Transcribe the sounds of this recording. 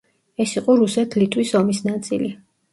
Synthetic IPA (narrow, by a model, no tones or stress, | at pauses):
ɛsiqʼɔɾusɛt̪ʰlit̪ʼwisɔmisnat̪sʼḭli